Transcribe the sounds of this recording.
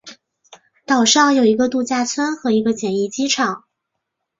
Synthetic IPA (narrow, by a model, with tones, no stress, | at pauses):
t̪ɑ˨˩ʊʂɑ˥˩ŋjo˨˩ʊi˧˥ɡə˧t̪u˥˧t͡ɕja˥˩t͡sʰwa˥nxɤ˧˥i˧˥ɡə˧t͡ɕjɛ˨˩ni˥˩t͡ɕi˥ʈ͡ʂʰɑ˨˩˦ŋ